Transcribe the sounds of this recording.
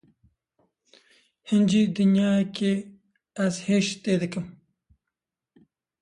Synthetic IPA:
hɪnd͡ʒid̪ʊnjɑːke | azheʃt̪ed̪əkəm

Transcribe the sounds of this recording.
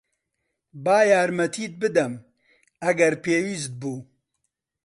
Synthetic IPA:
baːjaːɾmɐt̪ʰiːt̪̚bɨd̪ɛm | ɐɡɛɾpʰeːwiːst̪̚buː

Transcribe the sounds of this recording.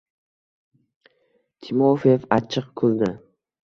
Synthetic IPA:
t̪ʰɪmofefat͡ʃʰɨqkʰʊlˠd̪ɪ

